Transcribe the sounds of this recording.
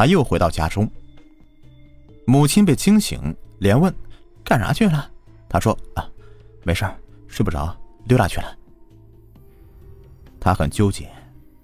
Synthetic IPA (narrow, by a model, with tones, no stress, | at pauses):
t̪ʰa˥jo˥˩ʊxwe˧˥ɪt̪ɑ˥˩ʊt͡ɕja̰˥ʈ͡ʂʊ˥ŋ | mu˨˩t͡ɕʰi˥np̬e˥˩ɪt͡ɕʰi˥ŋɕḭ˧˥ŋljɛ˧˥nwə˥˩n | ka˥˩nɻa̰˧˥t͡ɕʰy˥˩lɐ˩t̪ʰa˥ʂwɔ˥ɐ˧˩me˧˥ɪʂə˥˩ʂɻ̩˥˩bu˨˩ɑ̰˨˥˦ʊljt̪a̰˥˩t͡ɕʰy˥˩lə˨˩ | t̪ʰa˥xə̰˨˩nt͡ɕjo˥ʊt͡ɕjɛ̰˨˩˦